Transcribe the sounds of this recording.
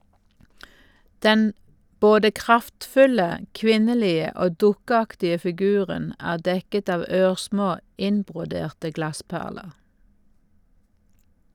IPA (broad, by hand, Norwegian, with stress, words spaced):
ˈdɛn ˈboːdə ˈkʁɑftˌfʉlə ˈkʋɪnəˌliːə ˈoː ˈdʊkəˌɑktɪə fɪˈɡʉːʁən ˈæːʁ ˈdɛkət ˈɑːʋ ˈøːʁˌsmoː ˈɪnbʁʊˌdeːʁtə ˈɡlɑˌspæʁləʁ